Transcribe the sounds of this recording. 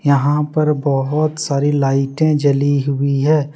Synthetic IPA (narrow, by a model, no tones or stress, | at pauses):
jɐɦãpɐɾbɔɦʊt̪saːɾilaːɪʈẽd͡ʒɐliɦʊiɦɛː